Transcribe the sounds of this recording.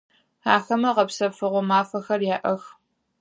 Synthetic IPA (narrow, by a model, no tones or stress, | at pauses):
aːxɐmɐʁɐpsɐfɨʁʷɔmaːfɐxɐrjaːʔɐx